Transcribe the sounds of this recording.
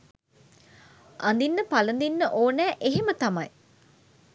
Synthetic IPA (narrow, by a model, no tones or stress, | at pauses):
and̪inːəpalənd̪inːəʔoːnæːʔeɦemət̪amɐj